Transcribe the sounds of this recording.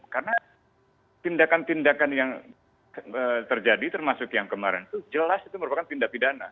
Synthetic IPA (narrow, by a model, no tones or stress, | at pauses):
karəna | t̪indakant̪indakanjaŋ | ət̪ərd͡ʒadit̪ərmasʊkjaŋkəmaɾɪ̰nt̪ud͡ʒəlasit̪uməɾupakant̪indapidana